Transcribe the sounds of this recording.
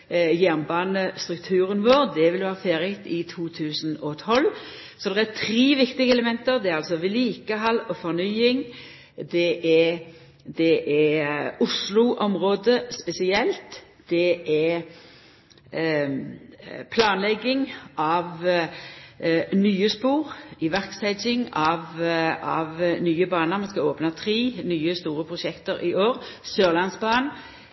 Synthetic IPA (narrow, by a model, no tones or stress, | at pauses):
jæʁnbɑːnəst̪ɾʉkt̪ʰʉːɾənʋoːɾd̪ɛʋɪlʋɑːfeːɾət̪ɪt̪ʰuːt̪ʰʉːsnɔt̪ʰɔl | sɔd̪ɛæt̪ʰɾeːʋɪkt̪ɪɡəɛləmɛnt̪əɾd̪ɛæɾɑlsɔʋɪliːkəɦɑlɔfɔʁnyːɪŋ | d̪ɛʔɛ | d̪ɛʔɛʊslʊʔɔmɾoːd̪əspɛsɪɛlt̪ | d̪̥ɛɛ | pʰlɑːnlɛɡːɪŋʔɑʋ | nyːəspuːʁɪʋæʁksæɪd͡ʒɪŋɑʋɑʋnyːəbɑːnəmɛnskɑoːpnət̪ʰʁeːnyːəst̪uːɾəpʰʁʊʃɛkt̪əɾɪoːɾsøːʁlɑnsbɑːn